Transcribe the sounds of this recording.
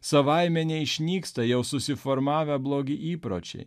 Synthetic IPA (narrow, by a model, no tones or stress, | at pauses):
sɐʋɑɪmʲɛnʲɛɪʃʲnʲiːkst̪ɐjɛʊsʊsʲɪfɔɾmɑːʋʲɛblˠoːɡʲɪʔiːpɾo̰ːt͡ʃʲɛ̰ɪ